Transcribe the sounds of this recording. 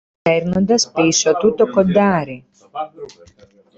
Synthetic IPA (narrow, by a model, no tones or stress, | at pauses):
ɛɾnand̪aspisɔt̪ut̪ːokod̪aːɾi